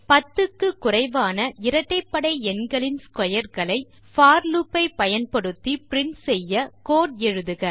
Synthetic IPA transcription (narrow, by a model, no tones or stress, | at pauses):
pɐt̪ːɯkːɯkːʊrɐɪʋaːnɐʔɪɾɐʈːɐɪpːɐɽɐɪɛnɡɐɭɪnskɔjɐɾɣɐɭɐɪ | faːɾlupːɐɪpːɐjɐnpɐɽɯt̪ːipɪɾɪnsɛjːɐkoːʈɛɻɯðɯɣɐ